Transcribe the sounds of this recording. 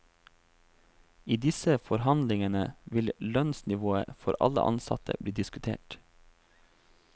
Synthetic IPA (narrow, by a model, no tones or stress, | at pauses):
iːd̪ɪsəfɔɾhɑnd̪lɪŋənəʋɪllœnsnɪʋoːə̰fɔɾʔɑ̰lə̰ʔɑ̰nsɑ̰t̪ʰə̰bliːd̪ɪskʉt̪ʰḛːʈ